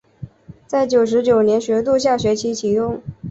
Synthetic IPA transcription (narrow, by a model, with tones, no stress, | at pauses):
t͡sa˥˩ɪt͡ɕjo˨˩ʊʂ̬ɻ̩˧˥t͡ɕjo˨˩ʊnjɛ˧˥nɕɥɛ˧˥t̪̬u˥˧ɕ̬ja˥˩ɕɥɛ˧˥t͡ɕʰi˧˥t͡ɕʰi˧˥j̪ʊ˥˩ŋ